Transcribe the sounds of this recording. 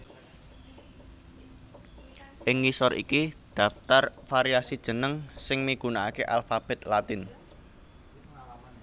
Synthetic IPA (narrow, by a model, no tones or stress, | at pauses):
ʔɪŋisɔɾḭkid̪̥a̤ft̪arfaɾiasid̥ʒ̥ə̤nəŋsɪŋmiɡ̥unaakeʔalfab̥ɛ̤t̪lat̪ɪn